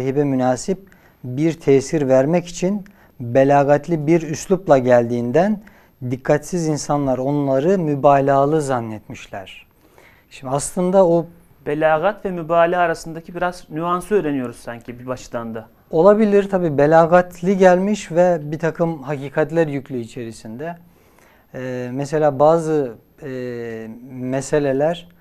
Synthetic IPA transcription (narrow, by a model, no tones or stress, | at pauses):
ɦibɛmynaːsip̚ | biɾt̪ʰɛːsiɾvæɾmɛci̥t͡ʃʰin | belʲaːɡat̪lʲibiɾyslʲˠuplˠaɟælʲd̪iːnd̪æn | d̪ikʰːat̪sizinsanlˠaɾo̞nlˠaɾɯmybaːlʲaːlˠɯzanːɛt̪miʃlʲæ̰ɾ̝̥ | ʃimd̪aslˠɯnd̪ao | b̥elʲaːɣat̪vɛmybaːlʲaːɾasɯnd̪acʰibiɾaznyansɯøːɾe̞nijo̞ɾuz̥saɲcʰibibaʃd̪and̪a | o̞lˠabilʲiɾt̪ʰabiːbelʲaːɡat̪ʰlʲiɟælʲmiʃvɛbit̪ʰakʰɯmɦaciːkʰat̪lʲæɾjycʰlʲyːt͡ʃʰe̞ɾisind̪ɛ | mɛs̬e̞lʲaːbaːzɯ | mɛse̞lʲe̞lʲæɾ̥